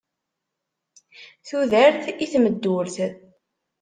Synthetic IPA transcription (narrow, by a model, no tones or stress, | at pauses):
θuðəɾθiθməd̪ːuɾθ